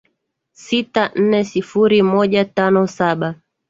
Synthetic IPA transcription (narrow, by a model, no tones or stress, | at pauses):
sitan̩nɛsifuɾimɔʄatanɔsaɓa